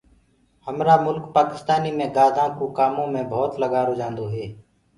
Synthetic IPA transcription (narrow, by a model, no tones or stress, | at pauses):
həmɾaːmʊlkpaːkɪst̪aːniːmẽːɡaːd̪ʱãːkoːkaːmõːmẽːbʱoːt̪ləɡaːɾoːd͡ʒãːnd̪oːɦeː